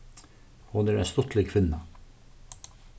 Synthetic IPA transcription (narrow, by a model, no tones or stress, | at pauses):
hʊnæɾæst̪ɔt̪leːkʰʋɪnːɑ